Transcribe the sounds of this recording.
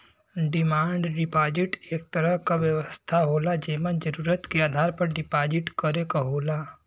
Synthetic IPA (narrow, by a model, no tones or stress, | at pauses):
ɖɪmaːɳɖɖɪpaːd͡ʒɪʈeːk̚t̪ɐɾəɦkaʋjəʋəst̪ʰaɦoːlad͡ʒeːmə̃nd͡ʒəɾuːɾət̪keaːd̪ʱaːɾpɐɾɖɪpaːd͡ʒɪʈkəɾekaɦoːla